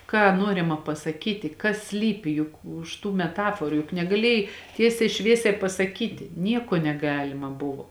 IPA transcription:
ˈkɑː ˈnuɔrʲɪmɐ pɐsɐˈkʲiːtʲɪ kɐs ˈsʲlʲiːpʲɪ ˈjʊk ʊʃ tuː mʲɛˈtɑːfoːrʊ jʊk nʲɛɡɐˈlʲeːjɛɪ ˈtʲiɛsʲɛɪ ˈʃʲʋʲiɛsʲɛɪ pɐsɐˈkʲiːtʲɪ ˈnʲiɛkoː nʲɛˈɡɑːlʲɪmɐ ˈbʊʋoː

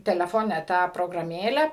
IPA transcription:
tʲɛlʲɛˈfoːnʲɛ ˈtɑː proːɡrɐˈmʲeːlʲɛ

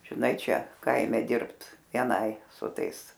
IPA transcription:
ʒʲɪˈnɐɪ ˈt͡ʃʲɛ ˈkɐɪmʲɛ ˈdʲɪrpt ʋʲiɛˈnɐɪ sʊ ˈtɐɪs

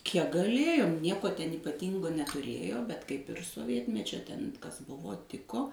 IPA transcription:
kʲiɛk ɡɐˈlʲeːjoːm ˈnʲiɛkoː tʲɛn iːpɐˈtʲiːŋɡoː nʲɛtʊˈrʲeːjoː bʲɛt kɐɪp ɪr soːˈʋʲiɛtʲmʲɛt͡ʃʲoː tʲɛn ˈkɐs ˈbʊʋoː ˈtʲɪkoː

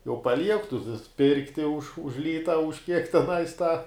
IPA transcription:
jɛʊ pɐˈlʲiɛk tʊ tʊ ˈpʲɪrktʲɪ ʊʃ ʊʃ ˈlʲiːtɐ ʊʃ kʲiɛk tʲɛˈnɐɪs tɐ

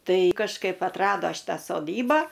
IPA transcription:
ˈtɐɪ kɐʃˈkɐɪp ɐtˈrɑːdoː ˈʃʲɪtɑː soːˈdʲiːbɑː

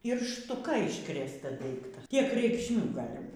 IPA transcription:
ɪr ʃtʊˈkɐ ɪʃkrʲeːsˈtɐ ˈdɐɪktɐ ˈtʲiɛk rʲɛɪkʃʲˈmʲuː ˈɡɑːlʲɪ

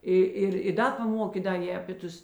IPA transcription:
ˈɪ ˈɪr ɪ ˈdɐ pɐˈmoːkʲeː ˈdɐ ˈjeː ɐpʲeː ˈtʊs

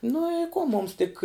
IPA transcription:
nʊ ɪ ˈkoː ˈmʊms tʲɪk

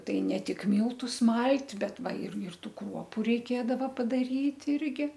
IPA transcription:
ˈtɐɪ nʲɛ ˈtʲɪk ˈmʲiːlˠtʊs ˈmɐlʲtʲ ˈbʲɛt ˈʋɐ ɪr ɪr ˈtuː ˈkruɔpʊ rʲɛɪˈkʲeːdɐʋɐ pɐdɐˈrʲiːtʲ ˈɪrʲɡʲɪ

